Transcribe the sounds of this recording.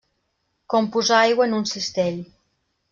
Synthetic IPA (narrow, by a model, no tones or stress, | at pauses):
kompuzaajɣəenunsist̪eʎ